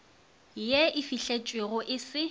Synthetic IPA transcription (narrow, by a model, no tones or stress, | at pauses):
jeɪfiɬet͡ʃʼweɣʊʔɪsɪ